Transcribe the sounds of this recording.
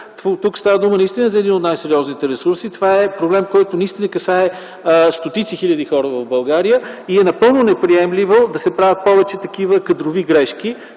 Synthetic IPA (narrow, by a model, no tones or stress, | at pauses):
t̪ut̪ukst̪avəd̪umənɐist̪inəzɐɛd̪inot̪najsɛɾiɔznit̪ɛɾɛsuɾsit̪ovaɛpɾoblɛmkɔjt̪onɐist̪inəkɐsaɛ | st̪ot̪it̪sixilʲəd̪ixɔɾəvɐvbɐlˠɡaɾijəiɛnɐpɤlˠnonɛpɾiɛmlʲivod̪ɐsɛpɾavʲət̪̚pɔvɛt͡ʃɛt̪ɐkivəkɐd̪ɾoviɡɾɛʃki